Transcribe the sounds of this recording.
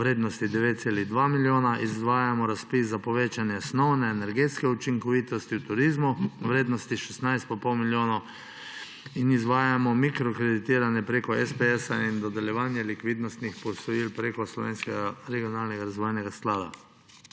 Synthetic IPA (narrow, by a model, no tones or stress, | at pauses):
ɾeːd̪nɔst̪id̪ɛʋeːt̪t̪seliɣd̪ʋamiljoːnaʔizʋaːjamɔɾaspis̬zapɔʋeːt͡ʃanjɛsnɔwnɛːnɛɾɡeːt̪skɛut͡ʃiŋkɔʋiːt̪ɔst̪iwt̪uɾiːzmuʋɾeːd̪nɔst̪iʃɛsnajst̪̚papɔlmiljoːnɔ | inizʋaːjamɔmikɾɔkɾɛd̪it̪iːɾanjɛpɾekɔɛspɛɛsaind̪ɔd̪ɛljɛʋaːnjɛlikʋiːd̪nɔst̪nixpɔsɔjiːlpɾekɔslɔʋeːnskɛɡaɾɛɡijɔnalnɛɡaɾazʋɔjnɛɡasklaːd̪a̰